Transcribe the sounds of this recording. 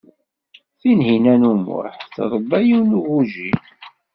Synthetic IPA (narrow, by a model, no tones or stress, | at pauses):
θinhinænumʊ̰ħθɾˤbæjiwnuʁuʒi